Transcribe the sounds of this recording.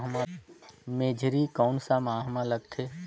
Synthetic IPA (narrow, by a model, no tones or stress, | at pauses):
ɦmameːd͡ʒʱɾikɔːnsamaːɦmãləɡt̪ʰeː